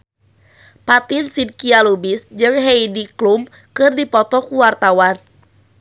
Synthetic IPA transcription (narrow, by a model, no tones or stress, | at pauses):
pat̪insid̚kialubisd͡ʒɨŋɦɛidiklum | kɨrdipɔt̪ɔkuwart̪awan